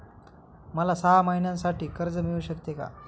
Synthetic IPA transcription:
məlasaɦamainjãnsaʈiːkəɾd͡zəmiuɕəkt̪eka̰

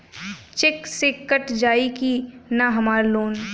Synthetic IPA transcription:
t͡ʃɪksekːəʈd͡ʒaːikinaɦɐmaːɾloːn

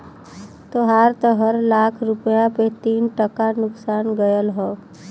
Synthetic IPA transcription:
t̪oɦaːɾt̪ɔɦəɾlaːkʰɾʊpjapet̪iːnʈəkanʊksaːnɡəjəlɦɔː

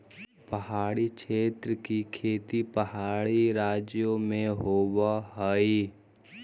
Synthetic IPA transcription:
pəɦaːɽikʃʰeːt̪ɾəkikʰeːt̪ipəhaːɽiɾaːd͡ʒjomẽɦoːwaɦəi

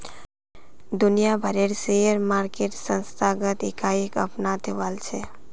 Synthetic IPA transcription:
d̪unijabʱəɾeɾseəɾmaɾkeʈsə̃nst̪ʰaɡət̪ekaikəpnat̪ʰeʋalt͡ʃʰe

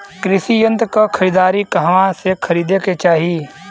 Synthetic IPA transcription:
kɾɪsijə̃nt̪kakʰəɾiːd̪aːɾikɐɦʋãsekʰɐɾiːd̪eket͡ʃaːɦie

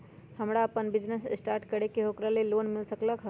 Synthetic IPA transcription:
həmɽaːpənbid͡ʒnessʈaɾʈkəɽekeɦokɾalelonmilsəkləkɦə

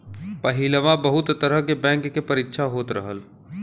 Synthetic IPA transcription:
pɐɦɪləʋãbɐɦʊt̪t̪ɐɾəɦkebɛ̃ːŋkːepɐɾɪkːʃʰaɦoːt̪ɾəɦəl

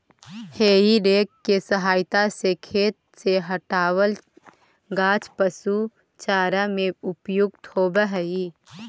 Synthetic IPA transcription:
heːiɖeːkkːesəɦaːɪt̪asekʰeːt̪̚seɦəʈaːwəl | ɡaːt͡ʃpəsu | t͡ʃaːɾamẽʊpjʊɡ̚t̪ʰoːbəɦəi

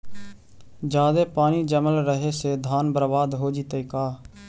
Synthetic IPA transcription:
d͡ʒaːd̪eːpaːniːd͡ʒəməlɾəɦeːseːd̪ʱaːnbəɾbaːd̪ɦoːd͡ʒiːt̪əiːkaː

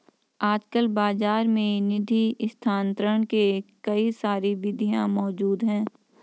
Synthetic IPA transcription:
aːd͡ʒkəlbaːzaːɾmẽnɪd̪ʱist̪ʰaːnt̪ɾəɳ̃kekɐisaːɾiʋɪd̪ʱijãmɔːd͡ʒuːd̪ɦɛ̃ː

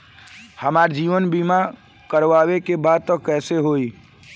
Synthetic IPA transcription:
həmaɾd͡ʒiʋənbima | kəɾʋawekebad̪̚t̪ɔkɛseɦoi

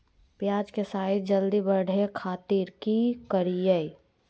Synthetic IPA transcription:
pjaːd͡ʒkesaːɪt̪̚d͡ʒəld̪ibəɽ̤ʱekʰaːt̪iɾkikəɾijəi

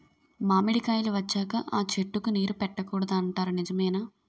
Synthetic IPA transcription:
maːmiɽikaːjiluʋɐt͡ʃːaːkɐʔaːt͡ʃeʈːukuniːɾupɛʈːɐkuːɽɐd̪aːɳʈaːɾunid͡ʒɐmɐjnaː

